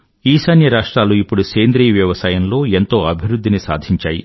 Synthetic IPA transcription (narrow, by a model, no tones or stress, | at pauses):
iːsɐnjɐɾaːʂʈɾaːluipːuɽuseːnd̪ɾiːʋjɐʋɐsɐːjɐnlo̞ːent̪o̞ːɐbʱiɾud̪ʱːinisa̰ːd̪ʱiɲt͡ʃaːjḭ